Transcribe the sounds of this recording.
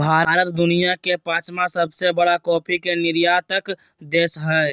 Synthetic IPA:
bʱaːɾːɾət̪d̪ʊnijakepãːt͡ʃmãsəbsebəɽakɔːpʰikenɪɾjaːt̪ək | d̪eːsɦə

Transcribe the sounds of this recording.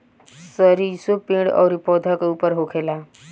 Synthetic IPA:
səɾisopĩɽɔ̰wɾipɔd̪ʱəkupəɾɦokʰela

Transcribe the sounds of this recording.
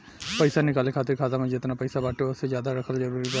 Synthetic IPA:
pəisaːnɪkaːlekʰaːt̪ɪɾkʰaːd̪aːmãd͡ʒɪt̪naːpəjsaːbaːʈeoʊsezjaːd̪aɾəkʰəlzəɾuːɾik

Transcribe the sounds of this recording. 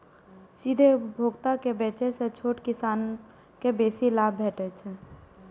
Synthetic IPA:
sid̪ʱeupbʱoɡt̪akebet͡ʃɛset͡ʃʰoʈkisaːn | kebesilabbʱeʈɛt͡ʃʰɛ

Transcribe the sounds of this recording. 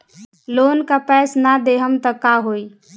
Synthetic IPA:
loːnkapɛːsnad̪eɦəmt̪əkaɦoːi

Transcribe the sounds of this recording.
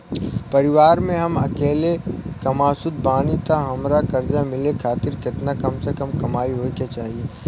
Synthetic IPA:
pɐɾɪʋaːɾmẽɦɐmɐ̰keːlekɐmaːsʊd̪̚baːnit̪ʰaɦɐmɾakɐɾd͡ʒamɪlekʰaːt̪ɪɾkɪt̪nakɐmsekɐmkɐmaːiɦoːikjat͡ʃaːɦieː

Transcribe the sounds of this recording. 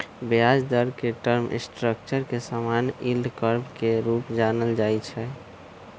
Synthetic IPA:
bead͡ʒd̪əɾkeʈəɾmʔḭsʈɾəkt͡ʃəɾkesamanild̪kəɾbkeɾupd͡ʒanəld͡ʒajt͡ʃʰɛ

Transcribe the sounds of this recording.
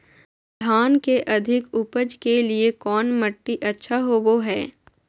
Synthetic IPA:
d̪ʱaːnkeʔɐd̪ʱɪkʊpəd͡ʒkeliekɔːnmɐʈːiʔɐtːʃʰaɦoːʋoɦɛː

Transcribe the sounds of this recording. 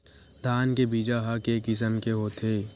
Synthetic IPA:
d̪ʱaːnkebiːd͡ʒaɦɐkekɪs̬əmkeɦoːt̪ʰeː

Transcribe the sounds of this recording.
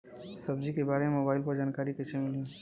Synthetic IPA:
səbd͡ʒikebaːɾememobaːɪlpəɾd͡ʒaːnkaːɾikɪt͡ʃʰemɪlĩ

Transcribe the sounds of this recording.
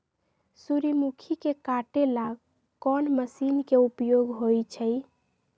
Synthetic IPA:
suɾimukʰikekaʈelaɡ | kɔnməsinkeupjoɡɦojt͡ʃʰəj

